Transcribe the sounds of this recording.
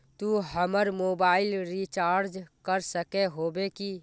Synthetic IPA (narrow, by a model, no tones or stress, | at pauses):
t̪uɦəməɾmobaɪlɾit͡ʃaːɾd͡ʒkəɾsəkeɦobeki